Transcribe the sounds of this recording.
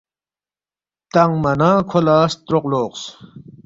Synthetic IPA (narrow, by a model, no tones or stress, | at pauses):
t̪aŋmɐnaːkʰolaːst̪ɾoqloːqs